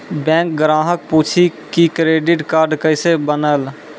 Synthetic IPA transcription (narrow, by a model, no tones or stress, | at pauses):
bɛ̃ːŋk̚ɡɾaːɦək̚puːt͡ʃʰikikɾeːɖɪʈkaːɾɖkəɪsebənəl